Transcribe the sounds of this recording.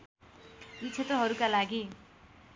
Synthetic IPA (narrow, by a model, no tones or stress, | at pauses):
jit͡sʰet̪rʌɦʌɾukalaɡi